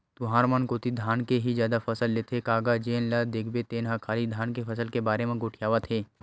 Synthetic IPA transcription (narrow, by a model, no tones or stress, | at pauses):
t̪ʊɦaːɾmənkoːt̪id̪ʱaːnkeɦizjaːd̪afʰɐsəlːet̪ekaːɡad͡ʒeːnlad̪eːkʰbet̪eːnɦakʰaːlid̪ʱaːnkefʰɐsəlkebaːɾemẽɡoːʈʰijaːʋət̪ɦeː